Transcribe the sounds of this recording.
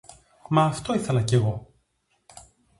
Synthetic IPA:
mɐːft̪o̞iθelɐce̞ɣo̞

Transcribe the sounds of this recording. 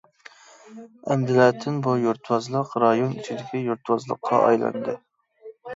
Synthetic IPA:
ɛmd̪ɪlæːt̪ʰɪnbujuɾt̪ʰwɑzlˠəqɾɑjonyt͡ʃʰid̪ɪkʲʰijuɾt̪ʰwɑzlˠə̰qʰːɑ̰ɑ̰jlˠɑ̰nd̪ɨ

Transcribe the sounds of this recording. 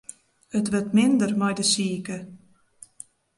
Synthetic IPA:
ətʋɵrtmɪndərmɔjdəsiəkə

